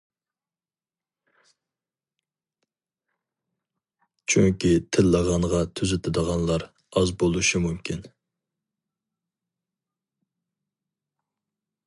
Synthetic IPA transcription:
t͡ʃʰyŋkʲit̪ʰɪlːəʁɑɴʁɑt̪ʰyzɪt̪ʰɪd̪əʁɑnlˠɑɾ | ɑzbolˠuʃimumkʲʰin

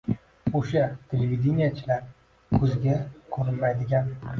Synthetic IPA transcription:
oʃat̪ʰelevʲid̪ʲenijat͡ʃʰɪlaɾ | kʰɵzɡʲakʰɵɾɪlmajd̪ɪɡʲan

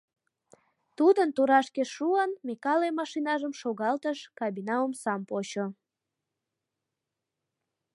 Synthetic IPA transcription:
t̪ud̪ənt̪uɾɑʃkeʃuənmekɑlemɑʃinɑʒəmʃoɣɑlt̪əʃkɑβinɑomsɑmpot͡ɕo

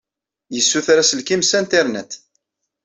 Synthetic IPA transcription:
jəsːuθɾæsəlkimsænt̪iɾnæ̰t̪

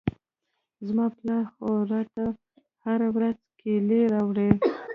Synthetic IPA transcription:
zmɑplɑxoɾɑt̪a | haɾawɾazkʰeleɾawɽe

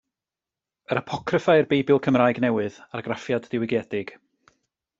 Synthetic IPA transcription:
əɾapʰɔkʰrəfajrbejbɪlˠkʰəmraːjɡnɛwɨðarɡrafjadːɪwɪɡjɛdɪɡ̥

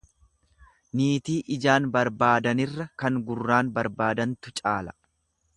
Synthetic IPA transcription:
niːt̪iːʔɪd͡ʒaːnbɐɾbaːd̪ɐnɪrːɐkɐŋɡʊrːaːnbɐɾbaːd̪ɐnt̪ʊt͡ʃʼaːlɐ̥

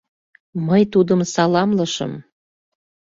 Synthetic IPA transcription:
məjt̪ud̪əmsɑlɑmləʃə̰m

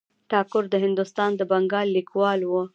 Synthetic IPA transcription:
ʈɑkʊɾd̪əɦɪnd̪ʊst̪ɑnd̪əbaŋɡɑlːikwɑlwə

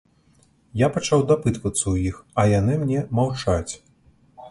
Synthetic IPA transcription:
japat͡ʂawd̪apɨt̪vɐt̪sːɐujixɐjan̪ɨmnʲɛmawt͡ʂat͡sʲ

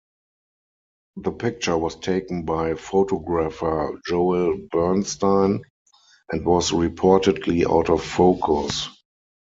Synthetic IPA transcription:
ðəpʰɪk̚t͡ʃə˞wɔstʰeɪkn̩baɪfoʊtɔɡɹafə˞d͡ʒoʊɪlbɜ˞nstãɪ̃n | ʔɛ̃ntwɔsɹipʰɔɹtədliʔa̰ʊtɔfːoʊkʰʊs

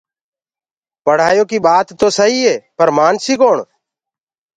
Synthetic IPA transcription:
pəɽ̤aːjoːkiːɓaːt̪ːoːsəɦiːɦeːpəɾmaːnsiːkoːɳ

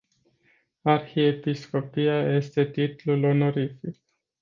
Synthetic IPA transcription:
arxiepisko̞pijaje̞st̪e̞t̪it̪lulo̞no̞ɾifik̚

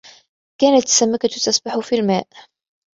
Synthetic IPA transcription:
kæːnət̪ːsamːakat̪ut̪əsbaħufilmæːʔ

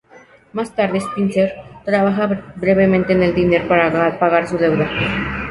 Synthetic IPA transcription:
mast̪aɾðespinseɾt̪ɾaβaxabɾeβemẽnt̪eːneld̪ineɾpaɾaapaɣaɾsuðewða

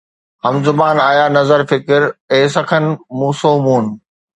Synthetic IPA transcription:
ɦɐmzʊmaːnaːjaːnɐzəɾfɪkɪɾeːsɐkʰənmuːsoːmuːn

